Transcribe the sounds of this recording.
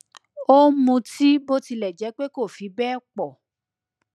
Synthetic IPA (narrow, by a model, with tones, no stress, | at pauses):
o˦mũ˧ti˦bo˦ti˧lɛ˨d͡ʒɛ˨˦k͡pe˦ko˦˨fi˨˦bɛ˦k͡pɔ˨